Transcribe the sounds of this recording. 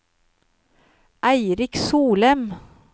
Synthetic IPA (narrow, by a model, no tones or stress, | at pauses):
ʔæɪɾɪksuːlɛm